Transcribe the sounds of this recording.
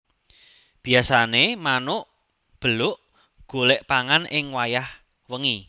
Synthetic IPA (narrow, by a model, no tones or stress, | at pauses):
b̥iasanemanʊʔ | b̥əlʊʔ | ɡ̥olɛʔpaŋanʔɪŋwajah | wəŋi